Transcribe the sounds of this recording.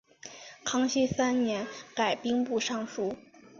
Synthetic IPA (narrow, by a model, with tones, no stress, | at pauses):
kʰɑ˥ŋɕi˥˩sa˥nnjɛ˧˥nka˨˩ɪpi˥ŋpu˥˧ʂɑ˥˩ŋʂu˥